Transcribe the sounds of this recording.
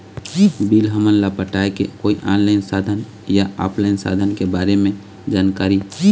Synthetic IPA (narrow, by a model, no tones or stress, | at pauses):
bilɦəmənlapəʈaekḛkoiʔãːnlaɪnsad̪ʱən | jaɔ̰ːpʰlaɪnsa̰d̪ʱənkebaɾemẽ | d͡ʒaːnkaɾi